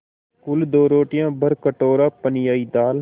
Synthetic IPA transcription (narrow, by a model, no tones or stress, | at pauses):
kʊld̪oːɾoːʈɪjãːbəɾkəʈoːɾaːpənɪjaːiːd̪aːl